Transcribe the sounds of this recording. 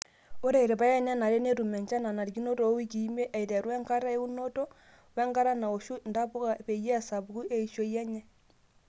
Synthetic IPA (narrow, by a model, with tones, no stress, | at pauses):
o˦ɾe˦˨i˨ɾe˨pa˦jɛ˦ɲɛ˦na˨le˦ne˦ɾu˨mɛ˨ɲt͡ʃa˦na˨na˨ɾɡi˦no˦to˨˦wi˦ki˨˦me˦ʔɛ˨jtɛ˨ɾwɛ˦ŋka˦ɾa˦e˦u˦no˦to˦ | wɛ˦ŋka˦ɾa˦na˨o˨ʃu˦nda˦pʊ˦ka˨pe˨je˦a˨sa˨bku˦e˦i˨ʃo˦jɛ˦ɲɛ˦